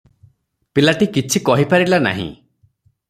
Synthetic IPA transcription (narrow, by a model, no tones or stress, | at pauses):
pilaʈikit͡ʃʰikɔɦipaɾilana̰ɦḭ̃